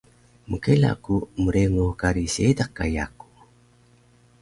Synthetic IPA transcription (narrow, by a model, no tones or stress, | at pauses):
mukela̰kumuɾeŋukaɾisedakːa̰ja̰ku̥